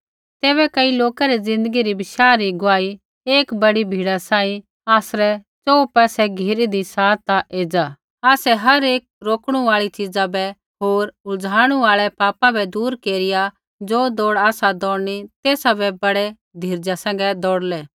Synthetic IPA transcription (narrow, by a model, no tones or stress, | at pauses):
t̪eːβɛkɐiloːkaɾid͡zɪ̃nd̪əɡiɾibɪʃaːɾiɡʊaːi | eːkbɐɽibʱiːɽasãːĩ | aːsɾɛ | t͡ʃoːupɛːsɛɡʱiɾid̪isaːt̪aʔeːd͡ʒaː | aːsɛɦɐɾeːk̚ɾoːkɽ̃uaːɭit͡ʃɪd͡zabɛ | ɦoːɾʊd͡zʱaːɽ̃uaːɭɛpaːpãbɛd̪uːɾkeːɾɪja | d͡zoːd̪oːɽaːsad̪ɔːɽnit̪eːsabɛbɐɽɛ | d̪ʱiɾd͡ʒasɛ̃ːŋ̆ɡɛd̪ɔːɽlɛː